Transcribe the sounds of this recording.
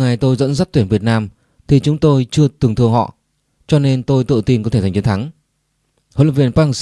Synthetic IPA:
ŋa˨˩jt̪o˧jzə̰˧˥nza˦˥t̚t̪wi˧˩nvi˨˩ət̚naː˧m | t̪ʰi˨˩t͡ɕʊ˨˦ŋ͡mt̪o˧jt͡ɕɨ˧ət̪ɨ˨˩əŋt̪ʰɨ˧əŋhɔ̰˧˨ | t͡ɕɔ˧ne˧nt̪o˧jt̪ɨ̰˧˨t̪i˧nkɔ˨˦t̪ʰe˧˩za˨˩ŋt͡ɕnt̪ʰa˨˦ŋ | ho̰˧˨lə˧˨˩vi˧˩ənpaː˧s

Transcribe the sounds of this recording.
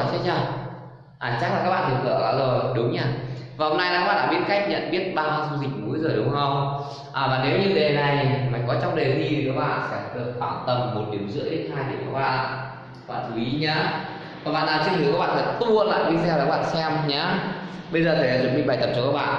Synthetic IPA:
t͡ɕʰːt͡ɕaː˧˩w | ʔaː˨˩t͡ɕa˦˥k̚laː˨˩kaː˦˥ɓa̰ː˧˨t̪ɨ˨˩əkːɨ̰˧˩˨kɔ̰˨˦lə˨˩ɗʊ˨˦ŋ͡mɲaː˧˩vaː˨˩ho˧ŋ͡mna˧jaː˧˨˦ɓa̰ː˧˨ɗaː˧˨ɓi˦˥ət̚ka˦˥jk̚ɲə̰˧˨nɓi˦˥ət̚ɓaː˧maː˧wsu˧zï˨˩k̟̚nu˨˦jzo˨˩jɗʊ˨˦ŋ͡mhə˧wŋ͡m | ʔaː˨˩vaː˨˩ne˨˦wɲɨ˧t̪ʰe˨˦na˨˩jma˨˩ŋ̟kɔ˨˦t͡ɕɔ˧wŋ͡mɗe˨˩zi˧tʰi˨˩kaː˨˦˥k̚ɓa̰ː˧˨nsɛ̰˧˥ɗɨ˨˩ək̚faː˧˩nt̪ə˨˧˩mmo˨˩t̚ɗi˨˦əwzɨ̰˧˥əi˦˥thaː˧jɗ̪i˨˧˩əwkaː˦˥k̚ɓa̰ː˧˨˧ | a˥ɓa̰ː˧˨t̪ɨ˨˦ʔi˨˦ɲaː˨˦ | aː˨˧˦k̚ɓa̰ː˧˨naː˨˧˩t͡ɕɨ˦˥t̪ʰːkaː˦k̚ɓa̰ː˧˨˩fa̰˧˩t̪u˧ə˧˨nla̰ː˧˨jɗi˧sɛ˧waː˨˦˥ɓa̰ː˧˨nsɛ˧mɲaː˨˦ɓə˧jzəː˨˩t̪ʰe˨˩˨t͡ɕə˨˧˦mi˨˩ɓa˨˩jt̪ə˨˩p̚t͡ɕɔ˧kaː˦˥ɓa̰ː˧˨

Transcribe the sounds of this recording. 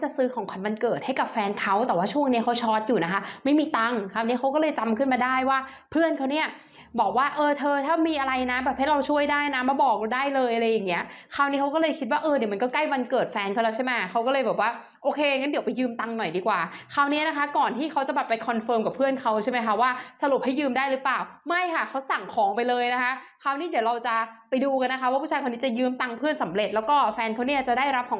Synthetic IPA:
t͡ɕa˨˩sɯː˦˥kʰɔː˨˦ŋkʰa˧nwa˧nkɤː˨˩t̪̚ha˥˩jka˨˩p̚fɛː˧nkʰa˦˥wt̪ɛː˨˩waː˥˩t͡ɕʰu˥˩əŋni˦˥ɐkʰa˦˥wt͡ɕʰɔː˦˥t̪̚juː˨˩na˦˥kʰa˦˥ma˥˩jmiː˧t̪a˧ŋkʰaː˧˥˩wni˦˥ka˦wkɔː˥˩lɤː˧jt͡ɕa˧mkʰɯ˥˩nmaː˧daː˥˩jwaː˥˩ | pʰɯ˥˩ənkʰa˦˥wni˦˥ɐ | bɔː˨˩k̚waː˥˩ʔɤː˧t̪ʰɤː˧t̪ʰaː˥˩miː˧ʔa˧ɾa˧jna˦˥bɛː˨˩p̚ha˥˩jɾa˧wt͡ɕʰu˥˩əjdaː˥˩jna˦˥ma˧bɔː˨˩k̚daː˥˩jlɤː˧jʔa˧ɾa˧jːa˨˩ŋːi˦˥ɐkʰaː˥˩wni˦˥kʰa˦˥wkɔː˥˩lɤː˧jkʰi˦t̪̚waː˥˩ʔɤː˧di˨˩˦ma˧nkɔː˥˩kla˥˩jwa˧nkɤː˨˩t̪̚fɛː˧nkʰa˥˩˨lɛː˦˥t͡ɕʰa˥˩ma˦˥jkʰa˦˥wkɔː˥˩ɤː˧jbɛː˨˩k̚waː˥˩ | ʔoː˧kʰeː˧ŋa˦˥ndi˨˩˦wpa˧jːɯː˧mt̪a˧ŋnɔ˨˩jdiː˧kwaː˨˩kʰa˦˥wni˦˥˧na˦˥kʰa˦˥kɔː˨˩nt̪ʰiː˥˩kʰa˦˥wt͡ɕa˨˩bɛː˨˩pːa˧jkʰɔ˧nfɤː˧mka˨˩pʰːɯ˥˩ənkʰa˦˥wt͡ɕʰa˥˩jma˦˥jkʰa˦˥waː˥˩sa˧ɾu˨˩p̚ha˥˩jːɯː˧mdaː˥˩jɾɯ˦˥plaː˨˩wma˥˩jkʰa˥˩kʰa˦˥wsa˨˩ŋkʰɔː˨˩˦ŋpa˧jlɤː˧jna˦˥kʰa˦˥kʰa˦˥wni˦˥˩di˩˦wɾa˧wt͡ɕa˨˩pa˧jduː˧ka˧nːa˦kʰa˦˥waː˥˩uː˥˩t͡ɕʰːkʰa˧ni˦˥t͡ɕa˨˩jɯː˧mt̪a˧ŋpʰɯ˥˩ənsa˩˦mɾe˨˩t̪̚lɛ˦˥wkɔː˥˩fɛː˧nkʰa˦˥wni˦˥ɐt͡ɕa˨˩daː˥˩jɾa˦˥p̚kʰɔː˨˦

